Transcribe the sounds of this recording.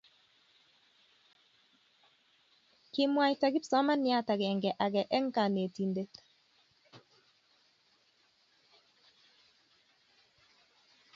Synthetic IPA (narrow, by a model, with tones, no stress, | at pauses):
kɪ˨mwa˨jta˨ɡɪ˦psɔ˨˦ma˦nja˨˦ta˨ɡɛ˨ŋɡɛ˨ʔa˨ɡɛ˨ʔɛ˦ŋ˦ka˨ne˨ti˨nde˦t